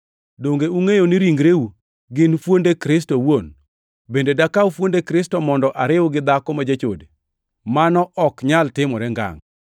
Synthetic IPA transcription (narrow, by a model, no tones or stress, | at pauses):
doŋɡeuŋejonɪɾiŋɡɾeu | ɡɪnfwondekɾɪs̬towon | bendedakaufwondekɾɪstɔmɔndɔʔaɾɪwɡɪd̪akɔmad͡ʒat͡ʃo̰de | manɔʔɔkɲaltɪmɔɾɛŋɡa̰ŋ